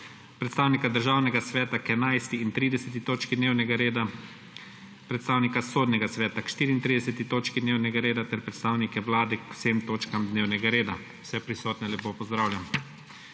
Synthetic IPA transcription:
pɾɛt̪st̪aːwnikad̪əɾʒaːwnɛɡasʋɛːt̪akɛnajst̪iːnt̪ɾiːd̪ɛsɛt̪̬it̪oːt͡ʃkid̪neːwnɛɡaɾed̪a | pɾɛt̪st̪aːwnikasoːd̪nʲɛɡasʋɛːt̪akʃt̪iːɾiːnt̪ɾid̪ɛsɛt̪it̪oːt͡ʃkid̪neːwnɛɡaɾeːd̪at̪ɛɾpɾɛt̪st̪aːwnikɛwlaːd̪ɛkw̥semt̪oːt͡ʃkamd̪neːwnɛɡaɾeːd̪a | wsɛpɾisɔːt̪nɛlɛpoːpɔzd̪ɾaːwlʲjam

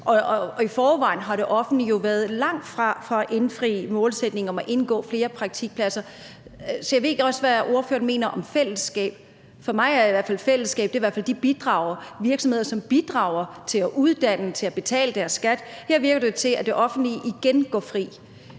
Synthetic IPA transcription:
ʔɒ̽ifɒːʋɑ̈ɪn̩ɦɑ̈ɾe̝ʔɒ̽fn̩d̥lijo̝ʋæɐðˠlɑ̈ŋ̰d̥fʁɑ̈fʁɑʔe̝nfʁḭːmɔ̽ːlsed̥ne̝ŋɒ̽mæʔe̝nɡ̥ɔ̰̽ːfle̝ːɐpʰʁɑ̈ɡ̥̚t͡sʰiɡ̥̚pʰlæsɐ | sɒ̽jɑʋe̝̰ɡ̥ɒ̽sʋæʔo̝ɐfø̰ːɐnme̝̰ːnɐʔɒ̽mfel̰əsɡ̥ɛ̰ːb̥̚ | fɒ̽mɑ̈ɪæɐiʋæɐfælfel̰əsɡ̥ɛ̰ːb̥d̥e̝iʋæɐ̰fæld̥ib̥id̥ʁɑ̈ːʊ̰ɐʋiɐɡ̥sɒ̽mhe̝ðˠɐsɒ̽mb̥id̥ʁɑ̈ʊɐt͡sʰe̝læʔuðˠd̥æn̰ət͡sʰe̝læb̥e̝t͡sʰɛ̰ːləd̥æɐsːɡ̥æd̥heɐ̰ʋiɐɡ̥ɐd̥e̝ot͡sʰe̝æd̥e̝ʔɒ̽fn̩d̥liʔiɡ̥enɡ̥ɒ̰ːfʁḭː

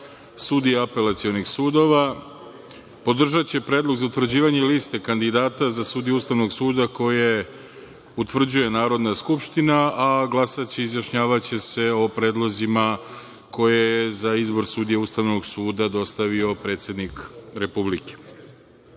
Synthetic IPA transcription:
sud̪ijeape̞lat̪sio̞nixsuːd̪o̞ʋa | po̞d̪r̩ʒat͡ɕe̞pɾeːd̪lˠo̞ɡzaut̪vr̩d͡ʑiːʋaɲe̞liːst̪e̞kand̪id̪aːt̪azasuːd̪ijuːst̪aʋno̞ɡsuːd̪ako̞je̞ | ut̪ʋr̩d͡ʑuje̞naːɾo̞d̪naskupʃt̪inaaɡlˠasat͡ɕeizjaʃɲaːʋat͡ɕe̞se̞o̞pɾe̞ːd̪lˠo̞zima | ko̞jejezaizbo̞ɾsuːd̪ijeuːst̪aʋno̞ɡsuːd̪ad̪o̞st̪aʋio̞pɾe̞ːt̪sje̞d̪nikɾe̞publike̥

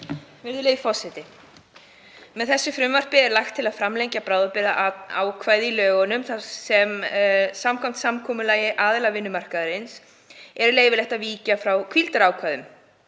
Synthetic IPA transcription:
vɪɾðʏlejfɔsɪt̪ɪ | mɛðθɛsːʏfɾʏmvar̥pɪɛɾlaxt̪ʰːɪlaðfɾamlejɲcapɾawðapɪðaa̰ːwkʰvaːjðɪilœːɣɔnʏmθasɛmsamkʰam̥t̪samkʰɔːmʏlaːjɪʔaːðɪlavɪnːʏmar̥kaðʏɾɪns | ɛɾleːjvɪlɛht̪aviːcafɾawkʰvilt̪aɾaːwkʰvajðʏm

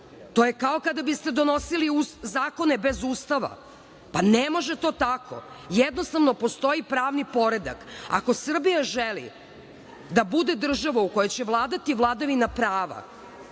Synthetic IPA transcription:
t̪o̞jekao̞kad̪abist̪ed̪o̞no̞siliuzaːko̞ne̞bezuːst̪aʋa̰ | panemo̞ʒe̞t̪o̞ːt̪akʰo̞̰ | jɛd̪nost̪aʋno̞po̞st̪o̞ipɾaːʋnipo̞ɾe̞d̪a̰ka̰ko̞sr̩bijaʒelḭ | d̪abud̪e̞d̪r̩ʒaʋauko̞jet͡ɕeʋlˠaːd̪at̪iʋlˠaːd̪aʋinapɾaːʋa̰

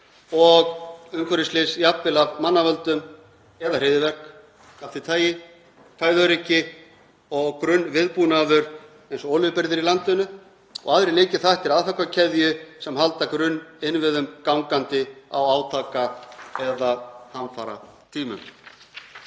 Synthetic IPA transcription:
ɔɣʏmkʰœɾɪst̪lɪsiapvɪlavmanːavœlt̪ʏm | ɛðarɪːðɪvɛr̥k | aft̪ɪt̪ʰaːjɪ | t̪ʰaːjvœɾicɪ | ɔɣkɾʏnːvɪðpunaðʏɾ̥ | ejnsɔɔːlʏpɪɾðɪɾilant̪ʏnʏ | ɔ̰ɣaðɾɪleːjcɪθaht̪ɪɾaðfakvacʰɛðjʏsɛmhalt̪akɾʏnːɪnvɪðʏmkawŋkant̪ɪa̰waːwt̪ʰaːkaɛðahanfaːɾa̰t̪ʰiːmʏ̰m

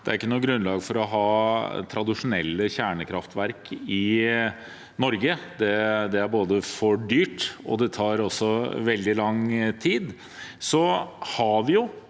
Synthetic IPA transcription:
d̪̥ɛæɾɪkːənuːɡɾʉnlɑːɡfɔɾɔɦɑːt̪ʰɾɑd̪ɪʂʊnɛlːəçæːɳəkʰɾɑft̪ʋæɾkʰɪ | nɔɾɡəd̪ɛd̪ɛæɾboːd̪əfɔɖyːʈɔ̰d̪ɛt̪ʰɑːɾɔsːɔʋɛld̪ɪlɑŋt̪ʰiːd̪ | sɔhɑʋɪjʊ

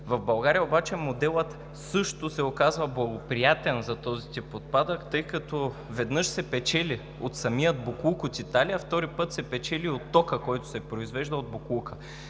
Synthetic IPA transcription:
vɐvbɐlˠɡaɾijəobat͡ʃɛmod̪ɛlˠət̪ | sɤʃt̪osɛokazvɐblˠɐɡopɾijat̪ɛnzɐt̪ɔzit̪ipot̪̚pad̪əkt̪ɤjkɐt̪ɔ | vɛd̪nɤʃsɛpɛt͡ʃɛli | ot̪sɐmijəd̪̚boklˠukot̪it̪alijɐft̪ɔɾipɤt̪sɛpɛt͡ʃɛliot̪ːɔkəkɔjt̪ʊ̥sɛpɾoizvɛʒd̪əod̪̚boklˠukə

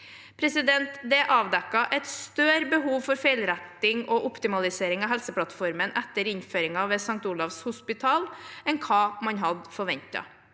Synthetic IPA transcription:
pʰɾɛsɪd̪ɛnt̪d̪ɛʔɑːʋd̪ɛkːɑʔɛt̪st̪øːɾbəɦuːʋfɔɾfeɪlɾæt̪ːɪŋɔʔʊpt̪ɪmɑlɪseːɾɪŋɑɦɛlsəpʰlɑt̪fɔɾmənʔɛt̪ːəɾɪnføːɾɪŋɑʋeːsɑŋk̚t̪uːlɑʋshʊspɪt̪ʰɑːlɛnkʰɑːmɑnɦɑd̪fɔɾʋɛɲt̪ɑ̰

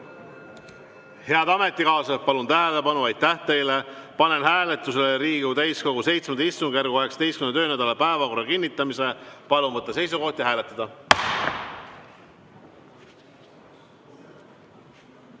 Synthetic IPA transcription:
he̞ɑd̪ɑme̞t̪ˑːikɑːsɑpɑlunt̪æɦele̞pɑnuɑjt̪ːæht̪e̞jle̞pɑne̞nɦæːlet̪ːˑus̬eleɾiːɡut̪æjsko̞ɡuse̞jt̪smenɑist̪uŋɡ̥jærɡ̥uɑɦeksɑ̥d̪e̞jst̪kymnt̪ø̞ːnæd̪ɑlɑpæevɑko̞rːɑkinʲːit̪ˑːɑmise̞pɑlunvɤt̪ˑːɑse̞js̬uko̞ht̪jɑɦæːlet̪ːˑɑd̪̥ɑ

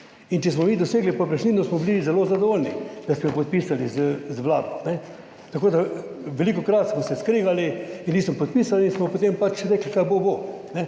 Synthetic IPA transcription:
int͡ʃɛsmɔmiːd̪ɔseːɡlipɔpɾɛʃnid̪nɔsmɔbilizɛlozad̪ɔʋolnid̪̥asmɔjɔpɔt̪̚pisalizəzʋla̰ːd̪ɔnɛ | t̪akoːd̪aʋɛlikɔkɾat̪smɔsɛskɾeːɡaliinniːsmɔpɔt̪̚pisalinsmɔpot̪empat͡ʃʃɾɛklikajbobo | nɛ

